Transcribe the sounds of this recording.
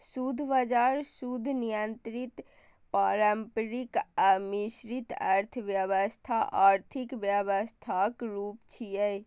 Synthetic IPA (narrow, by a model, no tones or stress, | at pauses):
sud̪ʱbad͡ʒaɾsud̪ʱnijənt̪ɾit̪ | paɾəmpɾikəmiʃɾit̪ə̰ɾt̪ʰəʋjəʋəst̪ʰaʔaːɾt̪ʰikʋjəʋəst̪ʰakɾuːpt͡ʃʰijəj